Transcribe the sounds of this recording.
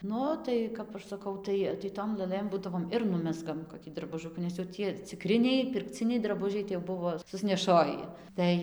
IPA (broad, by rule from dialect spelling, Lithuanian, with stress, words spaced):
ˈnʊ tɐɪ ˈkɐp ɐʃ sɐˈkɐʊ ˈtɐɪ tɐɪ ˈtoːm lˠɘˈlˠɘm ˈbuːdɐʋoːm ɪr ˈnʊmʲɛzɡɐm koːˈkʲiː drɐbʊˈʒʊkuː nʲɛs jɛʊ ˈtʲiɛ t͡sʲɪˈkrʲɪnʲɛɪ pʲɪrkˈt͡sʲɪnʲɛɪ drɐˈbʊʒʲɛɪ tɐɪ jɛʊ ˈbʊʋoː sʊsʲnʲɛˈʃoːjɪ ˈtɐɪ